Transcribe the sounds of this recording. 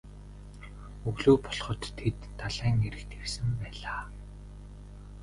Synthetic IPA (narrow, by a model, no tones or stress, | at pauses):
ɵɣɮuːpɔɮχɞ̆t̪ʰːet̪ːaɮæːŋeɾɘ̆kt̪ʰewsɘ̆mpæːɮaː